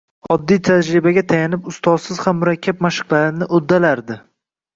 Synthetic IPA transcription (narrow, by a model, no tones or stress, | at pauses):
ɒd̪ːijt̪ʰad͡ʒɾɪbaɡʲat̪ʰajanɪpʊst̪ɒsɪz̥hamːʊɾakʲʰːap̚maʃɪ̥qlˠaɾɪnɪʔod̪ːalaɾd̪ɪ